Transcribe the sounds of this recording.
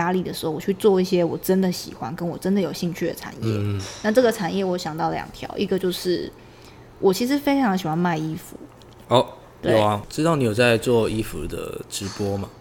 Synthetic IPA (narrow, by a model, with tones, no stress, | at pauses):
a˥li˥˩d̪ə˩ʂɻ̩˧˥xo˥˩wɔ˨˩t͡ɕʰy˥˧t͡swɔ˥˧i˥˩ɕjɛ˥wɔ˨˩ʈ͡ʂə˦˥nd̪ə˨ɕḭ˨˩xwa˦nkə˦˥nwɔ˨˩ʈ͡ʂə˦nd̪ə˨˩jo˨˩ʊɕi˥˧ŋt͡ɕʰy˥˩d̪ə̰˨˩ʈ͡ʂʰa̰˨˩˦njjɛ̰˥˩na˥˧ʈ͡ʂɤ˥˩ɡə˩ʈ͡ʂʰa˨˩njɛ˥˩wɔ˥ɕjɑ˨˩ŋt̪ɑ˥˩ʊljɑ̰˨˩ŋt̪ʰjɑ̰˧˥ʊʔi˥˩ɡə˨t͡ɕjo˥˧ʊʂɻ̩˥˩ | wʔɔ˨˩t͡ɕʰi˧˥ʂɻ̩˧˥fe˥ɪʈ͡ʂʰɑ˧˥ŋɕ̬i˨˩xwa˧˥nma˥˩ɪi˥fṵ˨˦ | ɔ˥˩ | t̪we˥˩a˥˩ʈ͡ʂɻ̩˥t̪ɑ˥˩ʊni˨˥jo˨˩t͡sa˥˧ɪt͡swɔ˥˩i˥fṵ˧˥d̪ə̰˧˩ʈ͡ʂɻ̩˧˦˥pwɔ˥ma˨˩